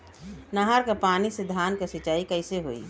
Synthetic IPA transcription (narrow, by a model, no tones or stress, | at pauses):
naɦaɾkapaːnised̪ʱaːnkesɪt͡ʃaːikəɪseɦoḭ